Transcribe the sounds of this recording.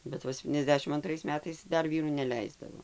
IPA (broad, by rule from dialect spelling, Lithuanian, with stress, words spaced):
bʲɛt ˈʋɐ sʲɛpʲtʲiːnʲɛzʲˈdʲæːʃʲɪm ɐnˈtrɐɪs ˈmʲæːtɐɪs ˈdɐr ˈʋʲiːruː nʲɛˈlʲɛɪzdɐʋoː